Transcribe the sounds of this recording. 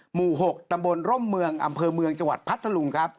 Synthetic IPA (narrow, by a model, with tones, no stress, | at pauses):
muː˨˩ɦo˨˩k̚t̪a˧mbo˧nɾo˥˩mːɯ˧əŋʔa̰˧mpʰɤː˧mɯ˧əŋt͡ɕa˧ŋwa̰˨˩t̪̚pʰa˦˥t̪ʰːa˧lu˧ŋkʰɾa˦˥p̚